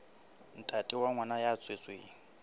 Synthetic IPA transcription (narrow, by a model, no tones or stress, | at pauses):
n̩tʼatʼiwaŋwanajat͡sʼwet͡sʼweŋ̩